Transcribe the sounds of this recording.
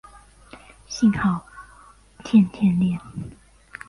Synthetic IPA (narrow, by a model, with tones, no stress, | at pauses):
ɕi˥˧ŋxɑ˥˨ʊ | t̪ʰjɛ˥˧˨nt̪ʰjɛ˥˨nljɛ˥˨n